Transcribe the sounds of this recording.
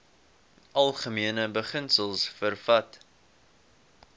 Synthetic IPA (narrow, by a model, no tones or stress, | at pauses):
ʔɐlˠχəmiənəbəχənsəlˠsfərfɐt